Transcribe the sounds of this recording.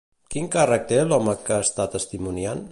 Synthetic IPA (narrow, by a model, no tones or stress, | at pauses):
kiŋkarək̚t̪elɔməkast̪at̪əst̪imunjan